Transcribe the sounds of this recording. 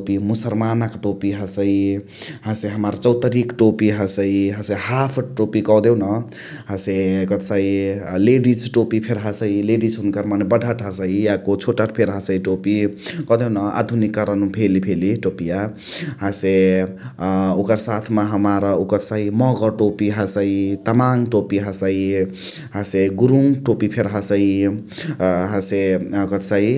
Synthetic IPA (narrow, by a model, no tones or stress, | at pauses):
opimusəlmanəkʈopiɦəsəi | ɦãseɦəmaɾt͡ʃʌwt̪əɾikʈopiɦasəiɦãsehapʰʈopikʌd̪ewnʌ | ɦãsekət̪saileɖisʈopipʰeɾɦasəileɖisɦunkəɾmanebəɖʱaʈɦəsəijakot͡ʃʰoʈaʈ̚pʰeɾɦasəiʈopikʌd̪enʌa̰d̪ʱunikːʌɾʌnupʰelipʰeliʈopija | ɦase | ukʌɾsat̪ʰmaɦʌmaɾʌukʌt̪saimʌɡʌʈopiɦasait̪amaŋʈopiɦasai | ɦaseɡuɾuŋʈopipʰeɾɦasʌi | ɦãsekʌt̪sai